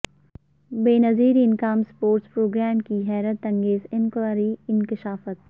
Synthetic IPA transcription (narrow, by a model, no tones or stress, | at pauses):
beːnɐziːɾɪnkaːmspoːɾʈspɾoːɡɾɛːmkiɦɛːɾət̪ɐ̃ŋɡeːzɪnkwaːɾiɪnkɪʃaːfət̪̚